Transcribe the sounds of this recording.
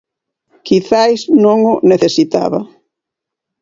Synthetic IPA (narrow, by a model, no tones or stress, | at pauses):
kiθajsnõŋʊneθesit̪a̰βɐ